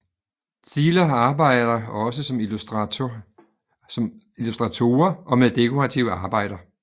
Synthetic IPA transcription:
t͡sʰiːlɐɑ̈ːb̥ɑ̈ɪ̰d̥ɐɒ̽s̬əsɒ̽m | m | ilusd̥ʁɑt͡sʰo̝ːɐʔɒ̽meðˠd̥e̝kʰoʁɑt͡sʰiʊəɑ̈ːb̥ɑ̈ɪ̰ɾ̥ɐ

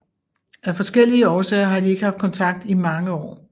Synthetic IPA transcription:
æfɒ̽sɡ̥el̰iəɒːsɛ̰ːɐɦɑ̈d̥ie̝ɡ̥əɦhɑ̈fd̥̚kʰɒ̽nt͡sʰɑ̈ɡ̥̚d̥imɑ̈ŋəɒ̰ː

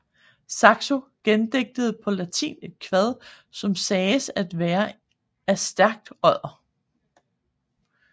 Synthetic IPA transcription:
sɑ̈ɡ̥soɡ̥end̥eɡ̥̚d̥əð̩ˠpʰɒ̽læt͡sʰḭːne̝d̥̚kʰʋæð̞ˠ | sɒ̽msɛːsæd̥ʋæːɐ | æsd̥æɐ̰ɡ̥̚d̥ɒð̰ˠɐ

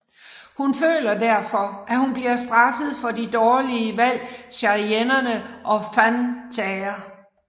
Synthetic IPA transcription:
hunfø̰ːlɐd̥æɐ̰fɒ̽ʔæhunb̥liɐsd̥ʁɑ̈fəð̞̩ˠfɒ̽did̥ɒːliəʋæl̰ɕɑienɐnəʔɒ̽fænt͡sʰɛːɐ

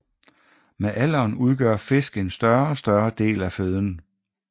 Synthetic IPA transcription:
meʔæl̰ɐːnuðˠɡ̥ɶɐfe̝sɡ̥e̝nsd̥ɶɐɒsd̥ɶɐd̥e̝̰ːlæføð̞ˠn

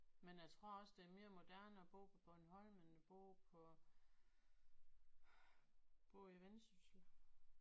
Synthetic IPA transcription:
menjɑ̈ɪt͡sʰʁo̝ɐ̰ɒ̽sd̥eɐme̝ːɐmo̝d̥æɐ̰nəɒ̽b̥o̝̰ːpʰɒ̽b̥ɔ̽nhɒl̰menb̥o̝̰ːpʰɒ̽ | b̥o̰ːiʋensysl̩

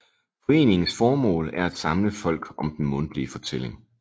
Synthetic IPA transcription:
fɒ̽e̝̰ːne̝ŋn̩sfɒːmɔ̰̽ːlæɐæd̥sɑ̈mləfɒ̽l̰ɡ̥ɒ̽md̥en̩mɔ̽nd̥lifɒ̽t͡sʰele̝ŋ

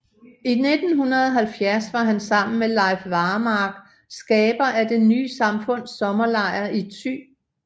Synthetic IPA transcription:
ine̝d̥n̩hunɐðˠɐɦælfjæɐsʋɑ̈ɦænsɑ̈m̰n̩melɑ̈ɪfʋɑ̈ːmɑ̈ɡ̥ | sɡ̥ɛːb̥ɐʔæd̥e̝ny̰ːsɑ̈mfɔ̽n̰sɒ̽mɐlɑ̈ɪ̰ɐit͡sʰy̰ː

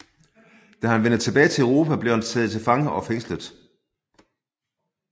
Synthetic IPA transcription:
d̥æhænʋenð̩ˠt͡sʰe̝b̥ɛːɪt͡sʰe̝əʁo̝ːpʰæb̥lehænt͡sʰɛːð̩ˠt͡sʰe̝lfɑ̈ŋəɒ̽feŋ̰sləð̩ˠ

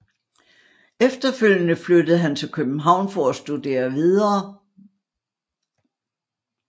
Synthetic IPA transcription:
efd̥ɐføl̰jənəflød̥əð̩ˠɦænt͡sʰe̝lkʰøb̥̚n̩ɦɑ̈ʊ̰nfɒæsd̥ud̥e̝̰ːɐʋið̞ˠɐː

